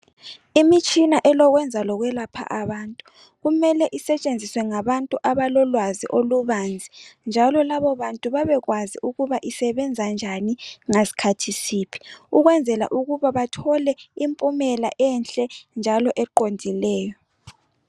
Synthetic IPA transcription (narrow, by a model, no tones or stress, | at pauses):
imit͡ʃʼinaʔɛlɔɣwɛnd͡zʱalɔɣwɛlapʰa̰ʔaβaːntʼu̥ | ɣumɛlɛʔisɛt͡ʃʼend͡zʱiswɛŋaβantʼuʔaβalɔlwaziʔoluβand͡zʱind͡ʒʱalɔlaβɔβantʼuβaβɛɣwaziʔuɣuβaʔisɛβɛnd͡zʱand͡ʒʱaniŋesi̥kʰatʰisiːpʰi̥uɣwɛnd͡zʱɛla̰ʔuɣuβaβatʰɔlɛimpʼumɛla̰ʔɛnɬʼɛnd͡ʒʱalɔʔɛǃondʱilɛːjɔ